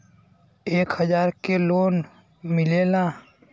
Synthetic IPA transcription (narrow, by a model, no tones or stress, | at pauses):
eːkhəd͡ʒaːɾkeloːn | mɪleːlãː